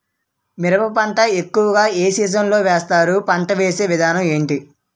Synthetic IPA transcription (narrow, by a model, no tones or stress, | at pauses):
miɾɐpɐpɐɳʈɐekːuʋɐɡaːeːsiːd͡ʒɐmlo̞ːʋɛːst̪aːɾupɐɳʈɐʋeːse̞ːʋid̪ʱaːnɐme̞ːɳʈi